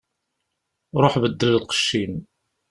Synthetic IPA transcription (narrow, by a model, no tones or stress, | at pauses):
ɾˤoħbəd̪ːələlqə̥ʃːin